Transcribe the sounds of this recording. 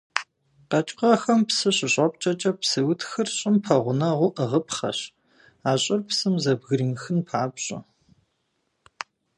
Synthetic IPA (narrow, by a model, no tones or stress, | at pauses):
qɐt͡ʃʼqɐxɐmpsɨɕʼɪɕʼɐpʼt͡ʃʼɐt͡ʃʼɐpsɨwʊtʰxɨrɕʼɪmpʰɐʁʷʊnɐʁʷʊʔəʁəpχɐ̰ɕ | aːɕʼɪrpsɨmzɐbɣɨɾimxɨnpʰaːpɕʼɪ̰